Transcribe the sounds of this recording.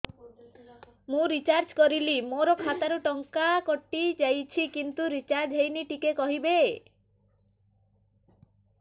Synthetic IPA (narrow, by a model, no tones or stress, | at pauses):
mũɾit͡ʃaɾd͡ʒkɔɾilimoɾokʰat̪aɾuʈɔŋkakoʈːid͡ʒajt͡ʃʰikint̪uɾit͡ʃaɾd͡ʒɦejniʈikekɔɦibe